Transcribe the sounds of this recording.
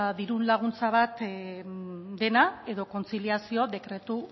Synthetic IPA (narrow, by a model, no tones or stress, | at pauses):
ðiɾunlaɣ̞unt͡saβ̞at̪ | d̪e̞nae̞ðo̞kont͡siliasio̞ðe̞kɾe̞t̪u